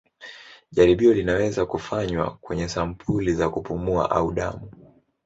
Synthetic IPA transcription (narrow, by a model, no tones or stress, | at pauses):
ʄaɾiɓiɔlinawɛzakufaɲwa̰kwɛɲɛsam̩pʰulizakupumua̰ʔauɗa̰mu